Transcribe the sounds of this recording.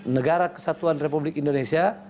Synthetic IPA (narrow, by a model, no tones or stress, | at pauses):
nəɡaɾakə̥sat̪uanrepublɪkindonesia